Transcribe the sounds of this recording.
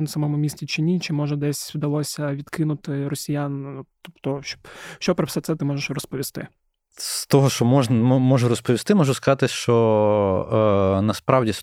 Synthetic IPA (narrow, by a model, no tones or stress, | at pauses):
nɐsɐmɔmʊmʲisʲt͡sʲit͡ʃɪnʲit͡ʃɪmɔʒɛd̪ɛsʲʋd̪ɐlˠɔsʲɐʋʲid̪kɪnʊt̪ɪɾɔsʲijant̪ɔpt̪ɔʃt͡ʃɔ̥bʃt͡ʃɔpɾɔfsɛt̪sɛt̪ɪmɔʒeʃrɔspɔʋʲist̪ɪ̰ | st̪ɔɦɔʃt͡ʃɔmɔʒnɐmɔʒʊɾɔspɔʋʲist̪ɪmɔʒuskɐzɑt̪ɪʃt͡ʃɔ | nɐspɾɑwdʲis